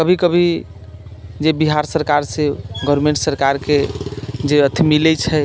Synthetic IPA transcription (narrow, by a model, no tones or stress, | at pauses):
kəbʱikəbʱi | d͡ʒebiɦaɾsəɾkaɾseɡəɾmẽɳʈsəɾkaɾked͡ʒeət̪ʰimilɛt͡ʃʰɛ